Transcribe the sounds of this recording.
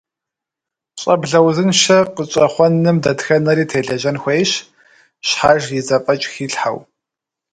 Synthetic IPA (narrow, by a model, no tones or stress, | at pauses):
ɕʼɐbɮɐwzɨnʃɐqət͡ʃʼɐχʷɔnːɨmdɐtxɐnɐɾiːtʰeːɮɐʒɐnxʷejɕ | ɕħaʒjɪzɐpʼɐt͡ʃʼxiːɬħa̰w